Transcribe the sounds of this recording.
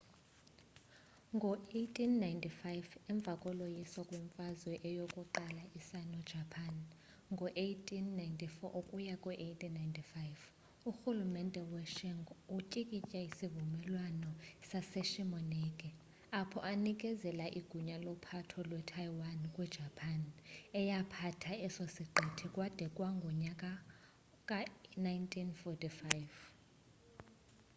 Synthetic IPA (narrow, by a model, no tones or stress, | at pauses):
ŋɡʱɔetʰʼinːajntʰʼifajvɛɱb̪vʱakʼɔlojiswɔkʼwɛɱfazwɛʔɛjokʼuǃalaʔisanɔd̥ʒ̥ʱapʰan | ŋɡʱɔʔejtʰʼinːajntʼifɔʔokʼujakʼwuʔejtʰʼinajntʰʼifajv | uxulumɛntʼɛwɛʃiŋɡucʼikʼit͡ʃʼaisivumɛlwanɔsasɛʃimɔnɛkʼɛ | apʰɔ̰ʔanikʼɛzɛlaʔiɡ̥ʱuɲalɔpʰatʰɔlwɛtʰajwankʼwɛd̥ʒ̥ʱapʰanɛjapʰatʰaɛsosiǃʱitʰikʼwad̥ʱɛkʼwaŋɡʱɔɲakʼa | kʼanajntʰʼinfɔtʰʼifajv